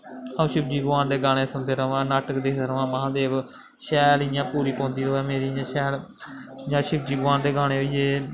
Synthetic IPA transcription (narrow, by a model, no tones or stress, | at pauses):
ə̃ːʃɪb̚d͡ʒiːɡʋaːnd̪eːɡaːɽ̃eːsə̃nd̪eːɾəʋãːnaːʈəkd̪eːkʰd̪eːɾəʋãːməɦãːd̪eːʋ | ʃɛːlijãːpuːɾiːpõːnd̪iːɾoːɛːmeːɾiːjãːʃɛːl | jãːʃɪbd͡ʒiːɡʋaːnd̪eːɡaːɽ̃eːiːeː